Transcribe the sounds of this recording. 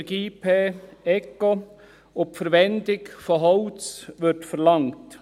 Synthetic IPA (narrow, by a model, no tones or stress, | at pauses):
ɡiːpʰeːɛko | ʊpfəɾʋɛndɪkfɔɦɔʊt͡sʋɪɾtfəɾlɑŋt